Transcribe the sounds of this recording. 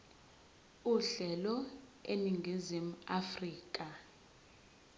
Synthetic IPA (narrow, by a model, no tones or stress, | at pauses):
uɮɛlɔeniŋɡʱizim̩afriːkʼa